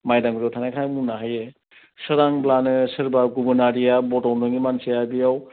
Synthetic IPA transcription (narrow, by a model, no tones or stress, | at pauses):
majdaŋɡuzɔtʰanajkʰajmunaɦaje | sɯɾaŋblanɯsɯɾbaɡubɯnaɾijabɔtɔwndɯŋimansijabijaw